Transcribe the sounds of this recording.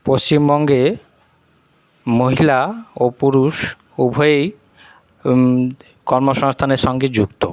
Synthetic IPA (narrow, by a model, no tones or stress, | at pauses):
post͡ɕimbɔŋɡe | moɦilaopuɾuʃ | ubʱoej | kɔɾmoʃɔŋst̪ʰaneɾʃɔŋɡed͡ʑukt̪o